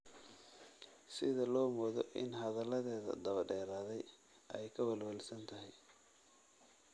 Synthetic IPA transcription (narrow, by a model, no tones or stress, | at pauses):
sɪðɐlɔːmɔːðɔʔɪ̰nɦɐðɐlɐðɛːðɐ̰d̪ɐβɐɖɛːɾaːðɛj | ʔɛjkʰɐwɐlwɐlsɐnt̪ʰɐɦɛj